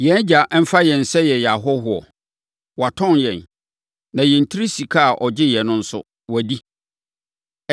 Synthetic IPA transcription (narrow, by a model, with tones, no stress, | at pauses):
jɛ̃˨˦n˦d͡ʑa˨ʔm̩˦fa˦jɛ̃˨n̩˨sɛ˦jɛ˨ja˨ɦɔ˦ɦʊ˨ɔ̰˨ | wa˨tʰɔ̃˦˨njɛ̃˨n | nã˨jɛ˨n̩˨tʰi˦ɾi˦si˨kʰa˦˨ʔɔ˨d͡ʑɪ˦jɛ˨nʊ̃˦n̩˦sʊ̰˦ | wæ˨di˦